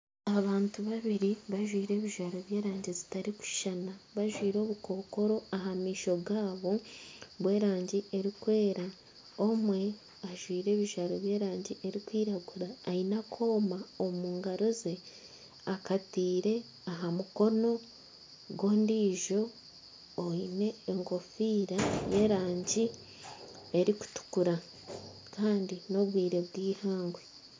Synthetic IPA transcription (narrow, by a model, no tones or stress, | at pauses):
aβaːntuβaβiɾiβaʒwiːɾe̞ːβiʒaːɾo̞βje̞ːɾaːɲɟizi̥taɾiku̥ʃanaβaʒwiːɾo̞ːβuko̞ːko̞ɾo̞aɦamiːʃo̞ɡaːβo̞βwe̞ːɾaːɲɟie̞ɾikwe̞ːɾa | omwe̞ | aʒwiːɾe̞ːβiʒaɾoβje̞ːɾaːɲɟiʔe̞ɾikwiːɾaɡuɾaːinakʰo̞ːmaomuːŋɡaɾo̞ze̞ | akatiːɾe̞ | aɦamuko̞no̞ | ɡo̞ːndiːʒo̞ː | ine̞ːŋɡo̞fiːɾajeːɾaːɲɟi | e̞ɾiku̥tu̥kuɾa | kʰaːndino̞βwiːɾe̞βɡiːhaːŋɡwe